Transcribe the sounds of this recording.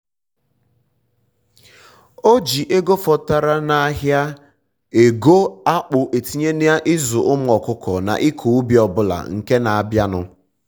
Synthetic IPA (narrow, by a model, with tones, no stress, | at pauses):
o˦d͡ʒi˨ʔe˦ɡo˦fɔ˨ta˨ɾa˦na˦ɦja˦ | e˨ɡo˦a˦k͡pʊ˨ʔe˨ti˦ɲe˦ni˦a˦ʔɪ˦zʊ˨ʔʊ˦m̩˦ɔ˨kʊ˦kɔ˨na̰˨ʔi˦kʰu˨˦bi˨ɔ˨bʊ˦la̰˨ŋ̩˨ke˦na˨a˨bja˦nʊ̰˦